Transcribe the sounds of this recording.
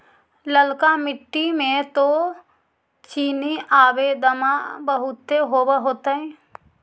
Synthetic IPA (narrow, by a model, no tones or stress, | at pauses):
ləlkamɪʈːimẽt̪o | t͡ʃiːniʔaːbed̪əmãbəɦʊt̪ːeɦoːbaɦoːt̪aɛ̃